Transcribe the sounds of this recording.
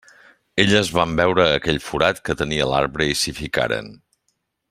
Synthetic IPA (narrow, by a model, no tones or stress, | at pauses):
eʎːzβambɛwɾəːkɛʎfuɾat̪kət̪əniəla̰ɾβɾəisifika̰ɾə̰n